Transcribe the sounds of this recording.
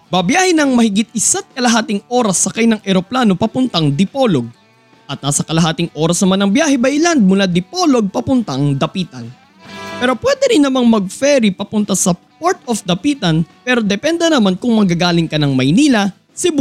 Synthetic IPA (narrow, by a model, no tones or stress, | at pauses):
bɐbjaːhɛnɐŋmɐhɪɡɪt̪̚ɪsat̪̚kɐlɐɦaːt̪ɪŋoːɾɐsːɐkajnɐŋʔɛɾoplaːno̞pɐpʊnt̪ɐŋd̪ɪpoloɡ̚ | ʔɐt̪̚naːsɐkɐlɐɦaːt̪ɪŋʔo̞ːɾɐsnɐmanɐŋbjaːhɛbɐjland̪̚mulad̪ɪpoːlo̞ɡ̚pɐpʊnt̪ɐŋd̪ɐpiːt̪ɐn | pɛːɾo̞pwɛd̪ɛɾɪnːɐmaŋmɐɡ̚fɛɾipɐpʊnt̪asɐ | poɹt̪ofd̪ɐpiːt̪ɐnpɛːɾo̞d̪ɛpɛnd̪ɛnɐmankʊŋmɐɡaɡaːlɪŋkɐnɐŋmɐjniːlɐ | sɪb